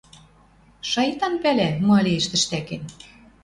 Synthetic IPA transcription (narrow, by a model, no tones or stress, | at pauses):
ʃɑjt̪ɑnpælæmɑlʲeĕʃt̪ɘ̆ʃt̪æken